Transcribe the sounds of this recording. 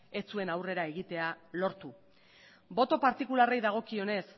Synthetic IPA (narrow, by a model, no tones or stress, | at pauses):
e̞t͡sue̞nawre̞ɾae̞ɣ̞it̪e̞alo̞ɾt̪u | bo̞t̪o̞paɾt̪ikularejðaɣ̞o̞kio̞ne̞s